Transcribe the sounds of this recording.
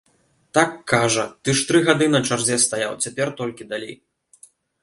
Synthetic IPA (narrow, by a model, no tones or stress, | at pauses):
t̪akːaʐɐt̪ɨʂt̪ɾɨɣad̪ɨnɐt͡ʂarzʲɛst̪ajawt͡sʲapʲɛrt̪ɔlʲkʲid̪alʲḛj